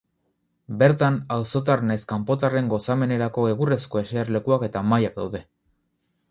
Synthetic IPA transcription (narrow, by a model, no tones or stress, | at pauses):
be̞ɾt̪anawso̞t̪̬aɾnajskampo̞t̪are̞ŋɡo̞same̞ne̞ɾako̞eɣure̞sko̞e̞seaɾle̞kuake̞t̪amajak̚d̪awðe̞